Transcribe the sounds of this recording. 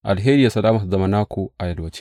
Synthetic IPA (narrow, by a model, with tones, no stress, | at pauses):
ʔa˨lɦeː˦ɾi˦ja˨sɐ˨laː˦ma˨zɐ˨mɐ˨naː˦kʰu˨ʔa˨jɐ˨lwɐ˨t͡ʃe̥˦